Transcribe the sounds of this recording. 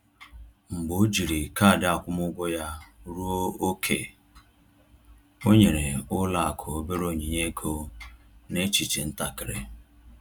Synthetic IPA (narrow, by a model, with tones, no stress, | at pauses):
ŋ͡m̩˨ɡ͡bʊ˨˦d͡ʒi˨ɾi˨ka˦˨dɪ˦a˨kʷʊ˦mʊ˦ɡʷɔ˦ja˦ɾu˦o˦o˦kʰḛ˨ | o˦ɲe˨ɾe˨ʊ˦la˦a˨kʰʊ˨o˦be˦ɾo˨ɲi˨ɲe˦kʰo˦ | ne˦t͡ʃi˨t͡ʃe˨n̩˦ta˨kɪ˨ɾḛ˨